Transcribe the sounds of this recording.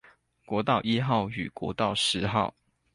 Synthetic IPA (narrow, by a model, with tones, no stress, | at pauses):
kwɔ˧˥t̪ɑ˥˨ʊʔi˥xɑ˥˨ʊy̰˨˩kwɔ̰˧˥t̪ɑ˥˨ʊʂɻ̩˧˦xɑ˥˨ʊ